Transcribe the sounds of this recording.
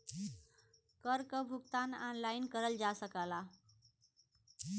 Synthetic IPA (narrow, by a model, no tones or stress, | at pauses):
kəɾkəbʱukt̪ananlainkəɾəld͡ʒasəkala